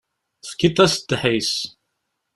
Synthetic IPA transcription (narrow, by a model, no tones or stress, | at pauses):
θkːit̪ˤːæsd̪ħis